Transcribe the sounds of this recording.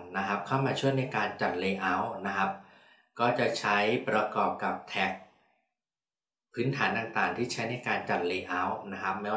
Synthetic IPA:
na˦˥kʰa˦˥p̚kʰaː˥˩wmaː˧t͡ɕʰu˥˩əjna˧jkaː˧nt͡ɕa˨˩t̪̚leː˧ʔa˦˥wna˦˥kʰa˦˥p̚ | kɔː˥˩t͡ɕa˨˩t͡ɕʰa˦˥jpɾa˧kɔː˨˩p̚ka˨˩p̚t̪ʰɛ˦˥k̚ | pʰɯː˦˥nt̪ʰaː˩˦nt̪a˨˩ŋt̪aː˨˩ŋt̪ʰiː˥˩t͡ɕʰa˦˥jna˧jkaː˧nt͡ɕa˨˩t̪̚leː˧ʔa˦˥wna˦˥kʰa˦˥p̚mɛ˦˥w

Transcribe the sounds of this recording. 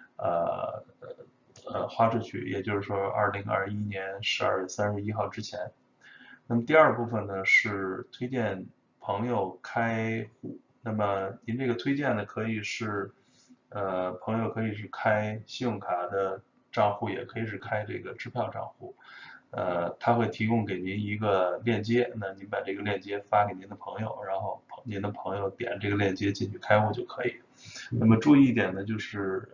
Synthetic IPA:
ə̰˧˩ | ə̰˧xwa˥ʈ͡ʂu˥˩t͡ɕʰy̰˥˩jɛ̰˨˩t͡ɕjo˥˧ʊʂɻ̩˥˩ʂwɔ˥ʔɐ̰˞˥˩li˧˥ŋɐ̰˞˥˧i˥njɛ˧˥nʂɻ̩˧˥ɐ̰˞˥˧ɥɛ˥˩sa˥nɻ̩˥˩i˥xɑ˥˩ʊʈ͡ʂɻ̩˥t͡ɕʰjɛ˧˥n | na˥˩mə˩t̪i˧ɐ˞˥˧pu˥˩fə˩nnə˩ʂɻ̩˥˩t̪ʰwe˥ɪt͡ɕjɛ˥˩n | pʰɤ˧˥ŋjo˨˩ʊkʰa˥ɪxu˥˩ | na˥˩mə˩ni˧˥nʈ͡ʂɤ˥˩ɡə˩t̪ʰwe˥ɪt͡ɕjɛ˥˩nnə˩kʰɤ˧˥i˨˩ʂɻ̩˥˩ | ə˧pʰɤ˧˥ŋjo˨˧ʊkʰɤ˧˥i˨˩ʂ̬ɻ̩˥˩kʰa˥ɪɕʊ˥˩ŋkʰa˧˥d̪ə˧ | ʈ͡ʂɑ˥˧ŋxu˥˩jɛ˨˩kʰɤ˧˥i˨˩ʂɻ̩˥˩kʰa˥ɪʈ͡ʂɤ˥˩ɡə˩ʈ͡ʂɻ̩˥pʰjɑ˥˧ʊʈ͡ʂɑ̰˥˧ŋxṵ˥˩ə̰˧t̪ʰa˥xwe˥˩ɪt̪ʰi˧˥kʊ˥˧ŋke˨˩ɪni˧˥ni˧˥ɡə˧ljɛ˥˩nt͡ɕjɛ˥na˥˩ni˧˥npa˨˩ʈ͡ʂɤ˥˩ɡə˩ljɛ˥˩nt͡ɕjɛ˥fa˥ke˨˩ni˧˥nd̪ə˧pʰɤ˧˥ŋjo˨˧ʊɻa˧˥nxo˥˧ʊpʰni˧˥nd̪ə˧pʰɤ˧˥ŋjo˧ʊt̪jɛ̰˨˩n˦ʈ͡ʂɤ˥˩ɡə˩ljɛ˥˩nt͡ɕjɛ˥t͡ɕi˥˧nt͡ɕʰy˥˩kʰa˥ɪxu˥˧t͡ɕjo˥˩ʊkʰɤ˧˥i˨˩˦ | na˥˩mə˩ʈ͡ʂu˥˧˥i˥˩t̪̬jɛ˨˩nd̪ə˦t͡ɕjo˥˧ʊʂɻ̩˥˩

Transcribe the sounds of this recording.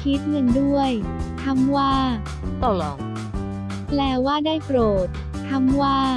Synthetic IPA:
kʰi˦˥t̪̚ŋɯ˧ŋdu˥˩əjt̪ʰa˧˥˩mwaː˥˩ | t̪ɔ˥˩lɔː˧˩ŋ | plɛː˧˩waː˥˩daː˥˩jpɾoː˨˩t̪̚ːʰ | a˧˥mwaː˥˩

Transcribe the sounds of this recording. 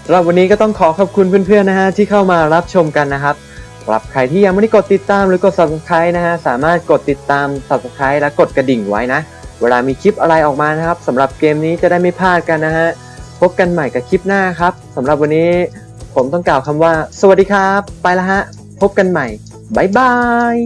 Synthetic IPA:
sa˦mɾa˨˩p̚wa˧nːiː˦˥kɔː˥˩t̪ɔ˥˩ŋkʰɔː˩˦kʰa˨˩p̚kʰu˧npʰɯ˥˩npʰɯ˥˩ənːa˦˥kʰa˦˥t̪ʰiː˥˩kʰa˥˩wmaː˧ɾa˦˥p̚t͡ɕʰo˧mka˧nːa˦˥kʰa˦˥p̚ | kɾa̰˨˩p̚kʰa˧jt̪ʰiː˥˩ja˧ma˥˩ni˥˩ko˨˩t̪ːi˨˩t̪ːaː˧mɾɯː˩˦˥ko˨˩t̪̚sa˨˩p̚sa˧˩kʰa˦˥jna˦˥kʰa˦˥saː˩˦maː˥˩t̪̚ko˨˩t̪ːi˨˩t̪ːaː˧msa˨˩p̚sa˧˩kʰa˦˥jlɛ˦˥wko˨˩t̪̚ka˧di˨˩ŋwa̰˦˥jna˦˥ʔ | weː˧laː˧miː˧kʰi˦˥p̚ʔa˧ɾa˧jʔɔː˨˩k̚maː˧na˦˥kʰa˦˥p̚sa˩˦mɾa˨˩p̚keː˧mniː˦˥t͡ɕa˨˩daː˥˩jma˥˩jpʰaː˥˩t̪̚ka˧nːa˦˥ɦa˦˥ʔ | pʰo˦˥p̚ka˧nma˨˩jka˧˥˩kʰi˦˥p̚naː˥˩kʰa˦˥p̚sa˩˦mɾa˨˩p̚wa˧nːiː˦˥ | pʰo˩˦mt̪ɔ˥˩ŋklaː˨˩wkʰa˧mwaː˥˩sa˧wa˨˩t̚diː˧kʰaː˦˥pːa˧jla˦˥ha˦˥ʔ | pʰo˦˥p̚ka˧nma˨˩j | baː˨˩jba˧j

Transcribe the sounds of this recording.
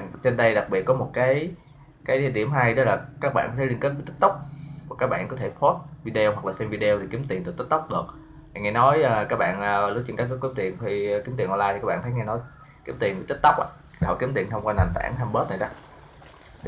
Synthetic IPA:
t͡ɕe˧nɗə˧jɗa˨˩k̚ɓi˨˩ət̚kɔ˨˦mo˨˩t̚kaː˨˦j | kaː˨˦jt̪t̪i˧˩əmɦa˧jɗɔ˨˦laː˨˩kaː˦˥k̚ɓa̰ː˧˨nkɔ˨˦t̪ʰləŋke˦˥t̚vt̪ə˦˥t̚t̪ə˦˥k͡p̚va˨˩kaː˦˥k̚ɓa̰ː˧˨nkɔ˨˦t̪ʰe˧˩pʰo˦˥t̚vi˧ɗe˧o˧whwa˨˩k̚laː˨˩sɛ˧mvi˧ɗe˧wɗe˨˩ki˨˦əmt̪i˨˩ənɨ˨˩kt̪ə˦˥t̚t̪ə˦˥k͡p̚ɗɨ˨˩ək̚ | ha˨˩ŋɛ˧nɔ˨˦jkaː˦˥k̚ɓa̰ː˧˨nː˨˩lu˦˥t͡ɕə˧nka˦˥k̚kːki˨˦əmt̪ḭ˨˩ənʰi˨˧˩ki˨˦mt̪i˨˩ənʔɔ˧laː˧j̪i˨˩kːaː˦˥ɓa̰ː˧˨t̪ʰə˨˦jŋɛ˧nɔ˨˦j | ki˨˦əmt̪i˨˩ənvi˨˦t̪ə˦˥t̚t̪ə˦˥wk͡p̚ʔa̰ː˧˩ | a˨˩hɔ˨˩ki˨˦əmt̪i˨˩ənhə˧wŋ͡mkwaː˧na˨˩nt̪a̰ː˧˩nt̪ʰa˧mɓəː˦˥t̚na˨˩za˧˦ | ɗ

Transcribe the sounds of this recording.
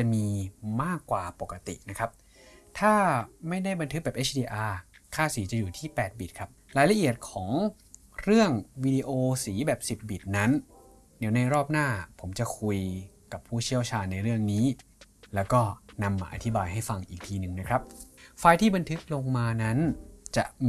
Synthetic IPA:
t͡ɕa˨˩miː˧maː˥˩kːwaː˨˩po˨˩kːa˧t̪ḭ˨˩na˦˥kʰɾa˦˥p̚ | t̪ʰaː˥˩ma˥˩jda˥˩jba˧nt̪ʰɯ˦˥k̚bɛː˨˩p̚ʔe˦˥t͡ɕʰdiː˧ʔaː˧kʰaː˥˩siː˩˦t͡ɕa˨˩juː˨˩t̪ʰiː˥˩pɛː˨˩t̪̚biː˨˩t̪̚kʰɾa˦˥p̚ɾaː˧jla˧˥ʔi˨˩ət̪̚kʰɔː˩˦ŋ | ɾɯ˥˩əŋwiː˧diː˧ʔoː˧siː˩˦bɛː˨˩p̚si˨˩p̚biː˨˩t̪̚na˦˥n | diː˩˦wna˧jɾɔː˥˩p̚naː˥˩pʰo˩˦mt͡ɕa˨˩kʰu˧jka˨˩pʰuː˥˩t͡ɕʰi˥˩əwt͡ɕʰaː˧nːa˧jɾɯ˥˩əŋniː˦˥ | lɛː˦˥wkɔː˥˩na˧mːaː˧ʔa̰˧t̪ʰi˦˥baː˧jɦa˥˩jfa˧ŋʔiː˨˩k̚t̪ʰiː˧nɯ˨˩ŋna˦˥kʰɾa˦˥p̚fa˧jt̪ʰiː˥˩ba˧nt̪ʰɯ˦˥k̚lo˧ŋmaː˧na˦˥nt͡ɕa̰˨˩ʔ

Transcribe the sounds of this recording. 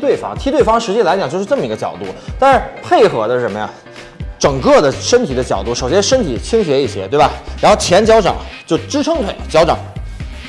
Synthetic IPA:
t̪we˥˩ɪfɑ̰˥ŋt̪ʰi˥t̪we˥˩ɪfɑ˥ŋʂɻ̩˧˥t͡ɕi˥˩la˧˥ɪt͡ɕjŋt͡ɕjo˥˧ʊʂɻ̩˥˧ʈ͡ʂɤ˥˩mə˩i˧˥ɡə˧t͡ɕjɑ̰˨˩ʊt̪u˥˩t̪a˥˧nʂɻ̩˥˧˩pʰe˥˩ɪxɤ˧˥d̪ə˧˥ʂə˧˥nmə˧ja̰˥˩ | ʈ͡ʂɤ˨˩ŋkɤ˥˩d̪ə˩ʂə˥nt̪ʰi˨˩d̪ə˦t͡ɕjɑ˨˩ʊt̪u˥˩ʂo˨˩ʊɕjɛ˥ʂə˥nt̪ʰi˨˩t͡ɕʰi˥ŋɕɥjɛ˧˥i˥˩ɕjɛ̰˧˥t̪we˥˩ɪba˨˩ɻa˧˥nxʊt͡ɕʰjɛ˧˥nt͡ɕjɑ˧˥ʊʈ͡ʂɑ̰˨˩˦ŋt͡ɕjo˥˩ʊʈ͡ʂɻ̩˥ʈ͡ʂʰɤ˥ŋt̪ʰwe˨˩ɪt͡ɕjɑ˥ʊʈ͡ʂɑ̰˨˩˦ŋ

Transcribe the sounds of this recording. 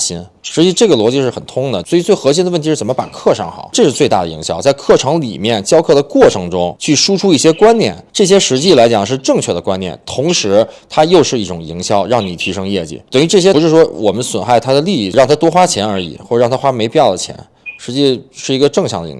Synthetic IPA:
ɕi˥n | ʂɻ̩˧˥t͡ɕi˧˩ʈ͡ʂɤ˥˩ɡə˩lwɔ˧˥t͡ɕi˧˥ʂɻ̩˥˩xə˨˩nt̪ʰʊ˥ŋd̪ə˨swi˨˩t͡swe˥˩ɪxɤ˧˥ɕ̬i˥nə˧ə˥˩nt̪ʰʂɻ̩˥˩t͡sə˨˩mə˦pa̰˨˩kʰɤ˥˧ʂɑ˥˩ŋxɑ̰˨˩˦ʈ͡ʂɤ˥˧ʂɻ̩˥˧t͡swe˥˧ɪt̪a˥˩d̪ə˩ḭ˧˥ŋɕjɑ˥ʊt͡sa˥˧ɪkʰɤ˥˩ʈ͡ʂʰɤ˧˥ŋlḭ˨˩mjɛ˥˩nt͡ɕjɑ˥ʊkʰɤ˥˩d̪ə˩kwɔ˥˩ʈ͡ʂʰɤ˧˥ŋʈ͡ʂʊ˥ŋt͡ɕʰy˥˩ʂu˥ʈ͡ʂʰu˥i˥˩ɕjɛ˥kwa˥nnjɛ̰˥˩nʈ͡ʂɤ˥˩ɕ̬jɛ˥ʂɻ̩˧˥t͡ɕi˥˩la˧˥ɪt͡ɕjɑ˨˩ŋʂɻ̩˥˧ʈ͡ʂɤ˥˧ŋt͡ɕʰɥɛ˥˩d̪ə˩kwa˥njɛ̰˥˩nt̪ʰʊ˧˥ŋʂɻ̩˧˥t̪ʰa˥jo˥˧ʊʂɻ̩˥˧i˥˩ʈ͡ʂʊ˨˩ŋi˧˥ŋɕjɑ˥˩ʊɻɑ˥˩ŋni˨˩t̪ʰi˧˥ʂɤ˥ŋjɛ˥˩t͡ɕḭ˨˩˦t̪ə˨˩ŋy˧˥ʈ͡ʂɤ˥˩ɕ̬jɛ˥˧˥ʂɻ̩˥˩ʂwɔ˥wɔ̰˨˩mə˦nswə˨˩nxa˥˩ɪt̪ʰa˥d̪ə˨li˥˧˥ɻɑ˥˩ŋt̪ʰa˥t̪wɔ˥xwa˥t͡ɕʰjɛ˧˥nə˞˧˥ḭ˨˩˦xwɔ˥˩˧ɻɑ˥˩ŋ˩t̪ʰa˥xwa˥me˧˥ɪpi˥˧jʊd̪ə˩t͡ɕʰjɛ̰˧˥n | ʂɻ̩˧˥t͡ɕi˥˧˩ʂɻ̩˥˩i˧˥ɡə˧ʈ͡ʂɤ˥˩ŋt͡ɕʰjɑ˧˥ŋd̪ə̰˧ḭ˧˥

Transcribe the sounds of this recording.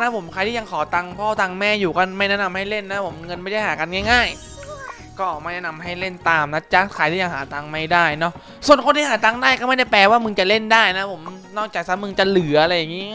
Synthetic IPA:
na˦˥pʰo˩˦mkʰa˧jt̪ʰiː˥˩ja˧ŋkʰɔː˩˦t̪a˧ŋpʰɔː˥˩t̪aː˧ŋmɛː˥˩juː˨˩kɔ˥˩nma˥˩jnɛ˦˥˩na˧mha˥˩jle˥˩nːa˦˥pʰo˩˦mŋɤ˧nma˥˩jda˥˩jɦaː˩˦ka˧nŋaː˥˩jŋaː˥˩j | kɔː˥˩ʔɔː˨˩maː˧˥˩jnɛ˦˥na˧mɦa˥˩jle˥˩nt̪aː˧mna˦˥t͡ɕa˦˥kʰaː˧j̪ʰiː˥˩ja˧ŋɦaː˩˦t̪aː˧ŋma˥˩jdaː˥˩jnɔ˦˥ | su˨˩ənkʰo˧nt̪ʰiː˥˩ɦaː˩˦t̪aː˧ŋdaː˥˩jkɔː˥˩ma˥˩jda˥˩pɛː˧waː˥˩mɯ˧ŋt͡ɕa˨˩le˥˩ndaː˥˩jna˦˥pʰo˩˦mnɔː˥˩k̚t͡ɕaː˨˩k̚sa˦˥mɯ˧ŋt͡ɕa˨˩lɯ˨˩˦ʔa˧ɾa˧jːa˨˩ŋːiː˦˥

